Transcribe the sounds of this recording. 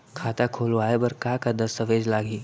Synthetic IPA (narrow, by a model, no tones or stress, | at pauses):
kʰaːt̪akʰoːlʋaːebɐɾkaːkad̪ɐst̪əʋeːd͡ʒlaːɡiː